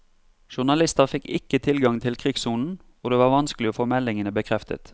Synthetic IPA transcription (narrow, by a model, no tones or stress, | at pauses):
ʃʊʁnɑlɪst̪əʁfɪkːɪkːət̪ʰɪlɡɑŋt̪ʰɪlkʰʁɪɡsuːnn̩ | oːd̪eːʋɑːʁʋɑnskəlɪoːfoːmɛlɪŋənəbəkʰʁɛft̪ʰə̰t̪